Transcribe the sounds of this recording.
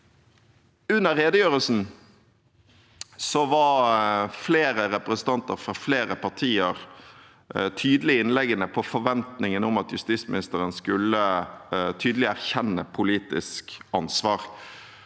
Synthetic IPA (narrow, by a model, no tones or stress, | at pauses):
ʉnːəʁeːd̪əjøːʁəlsn̩ | sɔʋɑɾfleːɾəɾɛpɾɛsənt̪ʰɑnt̪ə̰ɾfʁɑfleːɾəpʰɑʈ̪ʰiːəɾ | t̪ʰyːd̪əlɪɪnlɛɡənəpʰɔfɔʋɛnt̪nɪŋənʊmɑt̪jʉst̪iːsmɪnɪst̪əʁənskʉlə | t̪ʰyːd̪əlɪæʁçɛnːəpʰʊliːt̪ɪskɑnsʋɑːʁ